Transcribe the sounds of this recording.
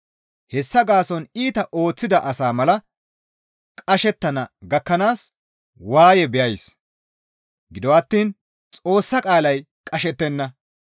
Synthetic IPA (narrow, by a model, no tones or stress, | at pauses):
hɛsːɐɡaːsɔniːt̪ɐʔo̞ːt͡sːɪd̪ɐʔɐsaːmɐlɐ | kʼɐʃɛt̪ːɐnɐɡɐkːɐnaːs | waːjɛbɛjɐjs | ɡɪd̪ɔwɐt̪ːiːn | t͡sʼo̞ːsːɐkʼaːlɐj | kʼɐʃɛt̪ːɛnːɐ